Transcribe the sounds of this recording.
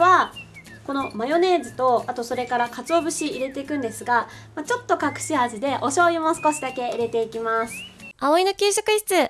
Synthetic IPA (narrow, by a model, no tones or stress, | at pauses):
βa | ko̞no̞majo̞ne̞ːzɨt̪o̞at̪o̞so̞ɾe̞kaɾakat͡sɨo̞ːbɯ̟ɕiːɾe̞t̪e̞ikɯ̟̃nd̪e̞sɨɡamat͡ɕo̞t̪ːo̞kakɯ̟̥ɕihaʑɨd̪e̞ʔo̞ɕo̞ːimo̞sɨ̥ko̞ɕid̪ake̞iɾe̞t̪e̞ikʲimasɨ̥aoinokʲeːɕakɯ̟i̥t͡sɨ